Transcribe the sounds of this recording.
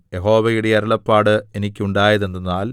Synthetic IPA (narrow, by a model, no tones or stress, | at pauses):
jeɦo̞ːʋɐjuɽejɐɾɐɭɐpːaːɽɨenikʲːuɳɖaːjɐðe̞nːunːaːl